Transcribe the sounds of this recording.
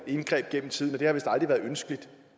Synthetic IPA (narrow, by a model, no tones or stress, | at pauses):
e̝nɡ̥ʁɛ̰ːb̥̚ɡ̥en̰m̩t͡sʰið̰ˠnɒ̽d̥e̝hɑʋe̝sd̥ld̥ʁiʋæːɐð̞̩ˠønsɡ̥əlid̥